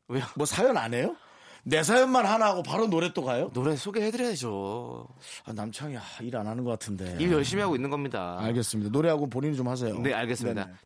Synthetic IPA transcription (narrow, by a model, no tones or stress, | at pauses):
wejomwʌsʰajʌna̰ne̞jo | ne̞s̬ʰajʌnmanɦanaɦaɡopaɾonoɾet͈oɡajonoɾesʰoɡehe̞dɯɾjʌded͡ʑo | a̰namt͡ɕʰaŋiaiɾanɦanɯnɡʌk͈atʰɯnde̞ijʌɭɕ͈imiɦaɡoinːɯnɡʌmɲida̰aɭɡes͈ɯmɲidanoɾeɦaɡopoɲinit͡ɕomhas̬ʰe̞jo̰ne̞aɭɡe̞s͈ɯmida̰